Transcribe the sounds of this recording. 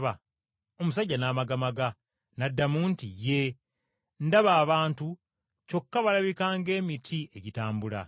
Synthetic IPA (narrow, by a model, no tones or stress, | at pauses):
βa | o̞mus̬aɟːanaːmaɡamaɡa | nadːamuːntije̞ | ndaβaːβaːntu | co̞kːaβalaβikaːŋɡe̞ːmitʰie̞ɟitaːmbula̰